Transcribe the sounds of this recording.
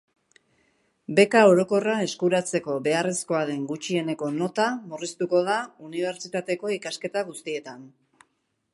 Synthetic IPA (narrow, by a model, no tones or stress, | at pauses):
be̞kao̞ɾo̞ko̞rae̞skuɾat͡se̞ko̞be̞aresko̞aðe̞ŋɡut͡ʃie̞ne̞ko̞no̞t̪amurist̪uko̞ðauniβ̞e̞ɾt͡ʃit̪at̪e̞ko̞ikaske̞t̪aɣ̞ust̪ie̞t̪an